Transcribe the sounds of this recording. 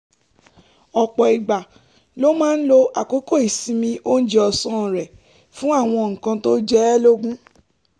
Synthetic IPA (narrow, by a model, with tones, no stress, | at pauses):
ɔ˨k͡pɔ˨i˨ɡ͡ba˨ | lo˦mãː˦n̩˦lo˧a˨ko˨˦ko˦˨i˨sĩ˨˧mĩ˧ʔo˦n̩˦d͡ʒe˦ɔ˨sɔ̃˨˦˨ɾɛ˨ | fũ˦a˦˨w̃ɔ̃˧ŋ̩˨kã˧to˦d͡ʒɛ˦lo˦ɡũ˦